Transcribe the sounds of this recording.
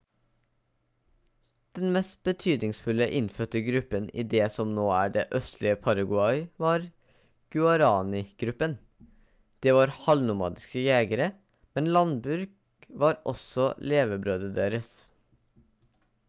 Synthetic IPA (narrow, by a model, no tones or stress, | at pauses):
d̪̥ɛnmɛst̪̚b̥ət̪ʰyːd̪nɪŋsfʉləʔɪnfœt̪əɡɾʉpənʔḭːd̪eːsɔmnoːæːɖeːʔœst̪lɪəpʰɑɾɑɡʉɑɪʋɑːɾ | ɡ̥ʉɑɾɑːnɪɡ̥ɾʉpən | d̪̥eːʋɑːɾhɑlnʊmɑ̰ːd̪ɪskəjæːɡəɾə | mɛnlɑnbʉɾɡ | ʋɑːɾʔɔ̰sɔleːʋəbɾøːd̪əd̪eːɾəs